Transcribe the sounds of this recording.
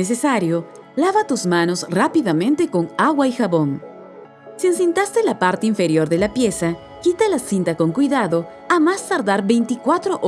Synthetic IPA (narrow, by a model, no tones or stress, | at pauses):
es̬esaɾjo | laβat̪uzmano̞srapiðamẽnt̪e̞ko̞ŋaɣwaixaβoŋ | siens̬int̪ast̪elapaɾt̪eiɱfe̞ɾjoɾðe̞lapje̞sa | kit̪alasint̪ako̞ŋkwijðaðo | amast̪aɾðaɾbe̞jnt̪ikwat̪ɾoʔ